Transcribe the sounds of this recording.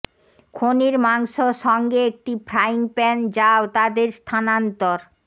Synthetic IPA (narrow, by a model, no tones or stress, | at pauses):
kʰoniɾmaŋʃoʃɔŋɡeek̚ʈipɾaiŋpɛnd͡ʑaot̪ad̪eɾst̪ʰanant̪oɾ